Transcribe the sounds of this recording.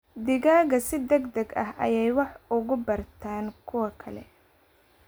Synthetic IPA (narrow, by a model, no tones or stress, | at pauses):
d̪ɪɣaːɣɐsɪd̪ɐɡd̪ɐɡɐ̰ɦɐ̰jɛjwɑħʊɣʊbɐrt̪ʰaːnkʰʊwɐkʰɐlɛ̰